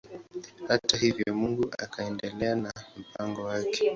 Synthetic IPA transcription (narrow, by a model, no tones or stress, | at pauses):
hatahivjɔmuŋɡuʔa̰kʰaɛndɛlɛanam̩paŋɡɔwakɛ̥